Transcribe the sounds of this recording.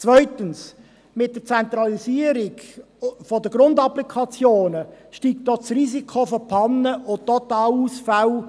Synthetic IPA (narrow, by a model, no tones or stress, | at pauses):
t͡svœʏtəns | mɪt̚d̥əɾt͡sɛnt̪ɾɑlisiəɾɪɡ | fɔdəɡ̥ɾʊndɑplikʰɑt͡sjoːnəʃtiːk̚td̥ɔt͡sriːsikʰofɔpʰɑnːəʔʊt̪ɔt̪ɑːluːsfaw